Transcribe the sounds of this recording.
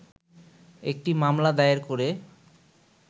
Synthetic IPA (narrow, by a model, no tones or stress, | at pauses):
ek̚ʈimamlad̪ajaɾkoɾe